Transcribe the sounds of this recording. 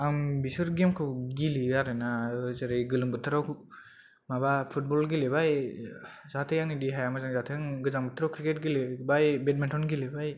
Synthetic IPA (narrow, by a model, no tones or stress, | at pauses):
ambisuɾɡemkʰɯɡiliaɾɯnazɯɾɯjɡɯlɯmbɯt̪ʰɯɾaw | mabapʰut̚bɔlɡilebaj | zat̪ʰɯjaŋnidiɦajamazanzat̪ʰjaŋɡɯzaŋbɯt̪ʰɾawkɾiket̚ɡilibajbet̚mentʰɔnɡilibaj